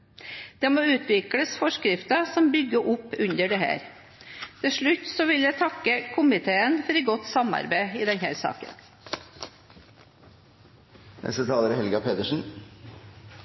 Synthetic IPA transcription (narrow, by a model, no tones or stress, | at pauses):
d̪̥emoːʉːt̪ʰʋɪkɽəsfɔʂkɾɪft̪ɑsɔmbʏɡːəʔʊpːʉɲd̪əɖɛhæ̰ːɾ | t̪ʰɪlʂɭʉt̪ːsɔʋɪljæɪt̪ʰɑkːəkʰʊmɪt̪ʰeːənfɔɾɪɡɔt̪ːsɑmɑ̰ɾbæɪɪːd̪ɛnhæ̰ːɾsɑ̰ːkə̰n | mɛ̰sət̪ʰɑːləɾhɛlɡɑpʰeːt̪əʂn̩